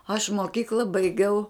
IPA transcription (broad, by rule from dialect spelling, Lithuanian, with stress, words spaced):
ɐʃ moːˈkʲiːklˠɐ bɐɪˈɡʲɛʊ